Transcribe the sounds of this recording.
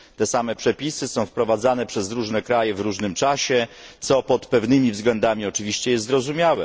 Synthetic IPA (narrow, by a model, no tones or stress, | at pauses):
t̪ɛsamɛpʂɛpʲisɘsɔ̃w̃fpɾɔvad̪zanɛpʂɛzɾuʐnɛkɾajɛvɾuʐnɘmt͡ʂaɕɛt̪sɔpɔt̪pɛvnɘmʲivzɡlɛnd̪amʲiɔt͡ʂɘvʲiɕt͡ɕɛjɛsɾɔzumʲjawɛ